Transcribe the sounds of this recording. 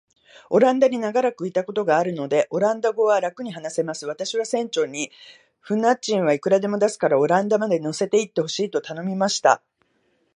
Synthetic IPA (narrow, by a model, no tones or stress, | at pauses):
o̞ɾãnd̪aɲ̟inaɡaɾakɯ̟it̪ako̞t̪o̞ɡaːɾɯ̟no̞d̪e̞ʔo̞ɾãnd̪aɡo̞βaɾakɯ̟ɲ̟ihanase̞masɨβ̞at̪aɕiβasẽ̞ɲ̟t͡ɕo̞ɲ̟ːi | ɸɯ̟nat͡ɕĩɰ̃βaikɯ̟ɾad̪e̞mo̞d̪asɨ̥kaɾao̞ɾãnd̪amad̪e̞no̞se̞t̪e̞it̪ːe̞ho̞ɕiːt̪o̞t̪ano̞mʲimaɕi̥t̪a̰